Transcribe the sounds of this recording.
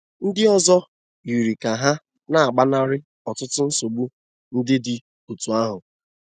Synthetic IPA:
n̩˦dɪ˦ɔ˦zɔ˦ | i˨ɾi˨ka˨ɦa˦ | na˦˨a˨ɡ͡ba˦na˦ɾɪ˦ | ɔ˨tʊ˦tʊ˦n̩˦so˨ɡ͡bu˦ | n̩˦dɪ˦dɪ˨ | u˨tu˨a˦ɦʊ˨

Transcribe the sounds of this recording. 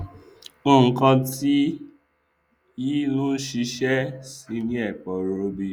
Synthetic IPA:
o˦˨ŋ̩˨kã˧ti˦ | i˦nũ˦ʃi˧ʃɛ˦si˧˦nĩ˦ɛ˦˨k͡pɔ˨ɾo˧˦bi˧

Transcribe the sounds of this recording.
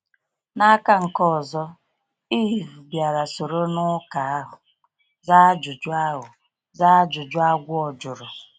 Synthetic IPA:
na˦ka˦ŋ̩˨kɔ˦˨zɔ˦ | i˦˨ɦu˨bja˨ɾa˨so˨ɾo˦nʊ˦ka˨a˦ɦʊ˨ | za˦d͡ʒʊ˨d͡ʒʊ˦a˦ɦʊ˨ | za˦d͡ʒʊ˨d͡ʒʊ˦a˦ɡʷʊ˦ɔ˨d͡ʒʊ˨ɾʊ˨

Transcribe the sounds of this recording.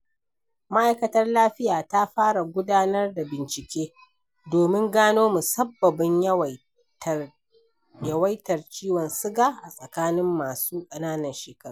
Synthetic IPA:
ma˦ʔa˨jkɐ˦tɐ˦rlaː˦ɸɪ˦jaː˨ta˦ɸaː˦ɽa˨ɡʷʊ˦daː˦nɐ˦rda˨bɪ˨nt͡ʃɪ˨kʲeː˦ | doː˨mɪ˦ŋɡaː˦noː˦mu˨sɐ˦bːɐ˨bɪ˦ɲ˦ | jɐ˨˦wɐ˦jtɐ˨rt͡ʃiː˦wɔ˨nsɪ˦ɡaː˨ʔa˨sʼɐ˨kaː˦nɪ˦mːaː˨suː˦kʼɐ˨naː˦nɐ˨nʃeː˨kɐ˦˨a˨

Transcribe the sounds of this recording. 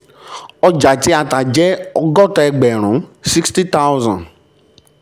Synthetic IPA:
ɔ˧d͡ʒa˨ti˦a˧ta˨d͡ʒɛ˦ɔ˧ɡɔ˦˨tɔ˧ɛ˧ɡ͡bɛ˨ɾ̃ũ˨˦si˦ksti˦ta˦wzã̰˨n

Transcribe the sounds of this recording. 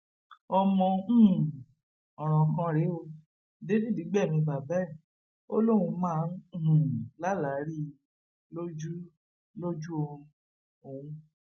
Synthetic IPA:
ɔ˧mɔ̃˧˦˨ | ɔ˨ɾ̃ɔ̃˨kã˦ɾe˨˦o˧ | de˦di˦˨di˨˦ɡ͡bɛ˦˨mĩ˧ba˨bɛ˦˨ | o˦lo˦˨ũ˧mãː˦˧˦ñ̩˦˨la˦la˨˦ɾi˦ | lo˦d͡ʒu˦ | lo˦d͡ʒu˦o˧ũ˧˦˧ | o˨wũ˧

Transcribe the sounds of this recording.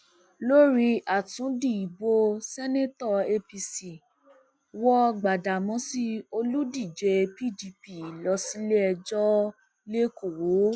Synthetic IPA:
lo˦ɾi˧ʔa˨tũ˨˦di˦˨i˨bo˧sɛ˦nẽ˦tɔ˦˨e˧pi˧si˨ | wɔ˦ɡ͡ba˨da˨mɔ̃˧˦si˦o˧lu˦di˦˨d͡ʒe˧˦pi˦˨di˧pi˦˨lɔ˧si˨˦le˦ɛ˧d͡ʒɔ˦ | le˦ko˨wo˨˦

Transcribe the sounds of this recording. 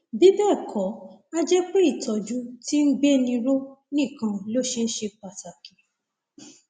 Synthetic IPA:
bi˨˦bɛ˦˨kʰɔ˨˦a˦d͡ʒɛ˦k͡pe˦i˦˨tʰɔ˨d͡ʒu˦ti˦n̩˦ɡ͡be˦nĩ˧ɾo˦nĩ˦˨kã˧lo˦ʃe˧˦ʃe˧k͡pa˨ta˨ki˨

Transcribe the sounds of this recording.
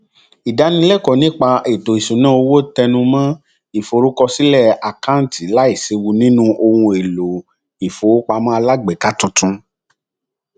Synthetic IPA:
i˨da˨˦nĩ˧˦lɛ˦˨kɔ˨nĩ˨˦k͡pa˧e˨to˨i˨sũ˨nã˦o˧wo˦tɛ˧nũ˧mã˦ | i˨fo˨ɾu˨˦kɔ˧si˦lɛ˦˨a˨kã˦ti˨la˦i˦˨se˧wu˧nĩ˦nũ˦ʔo˧hũ˧e˨lo˨ | i˨fo˨˦k͡pa˧mã˦a˧la˦ɡ͡be˨ka˦tũ˨˧˦tũ˧˦

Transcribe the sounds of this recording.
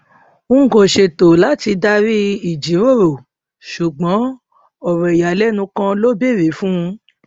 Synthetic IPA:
ũ˦ɡo˨ʃe˧to˨la˨˦ti˧da˧ɾi˦i˦˨d͡ʒi˨˦ɾo˦˨ɾo˨ | ʃu˨ɡ͡bɔ̃˨˦ | ɔ˨ɾɛ˨i˨ja˨˦lɛ˦nũ˧kã˦lo˦be˦˨ɾi˨˦fũ˦˧

